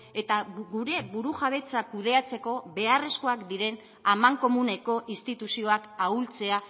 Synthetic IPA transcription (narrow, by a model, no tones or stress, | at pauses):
e̞t̪aɡuɾe̞βuɾuʝaβ̞e̞t͡sakuð̞e̞at͡se̞ko̞βe̞are̞sko̞akd̪iɾe̞n | amaŋko̞mune̞ko̞ʔist̪it̪usio̞akault͡se̞a